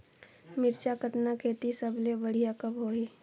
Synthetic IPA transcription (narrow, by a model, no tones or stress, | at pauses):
mɪɾt͡ʃakət̪nakʰeːt̪isəblebəɽ̤ijakəbɦoːiː